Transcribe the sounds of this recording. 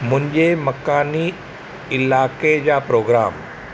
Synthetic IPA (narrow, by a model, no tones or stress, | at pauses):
mʊ̃ɲd͡ʒemɐkaːni | ɪlaːked͡ʒaːpɾoːɡɾaːm